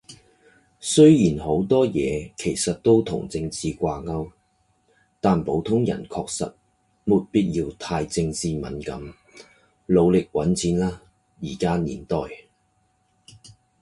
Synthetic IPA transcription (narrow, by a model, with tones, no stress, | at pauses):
sɵ˥ɥjiː˨˩nho˨˧˥wt̪ɔː˥jɛ̰ː˨˧kʰe˨˩jsɐ˨t̚t̪o˥wt̪ʰʊ̰˨˩ŋt͡sɪ˧ŋt͡siː˨kʷaː˧ŋɐ˥w | t̪aː˨npo˨˥wt̪ʰʊ˥ŋjɐ̰˨˩nkʰɔː˧k̚sɐ̰˨t̚ | mu˨t̚piː˥t̚jiː˧wt̪ʰaː˧jt͡sɪ˧ŋt͡siː˨˧mɐ̰˨˥nkɐ̰˨˥m | lo˨˧wlɪ˨k̚wɐ˨˥nt͡siː˨˧nlaː˥ | jiː˨˩kaː˥nḭː˨˩nt̪ɔː˨j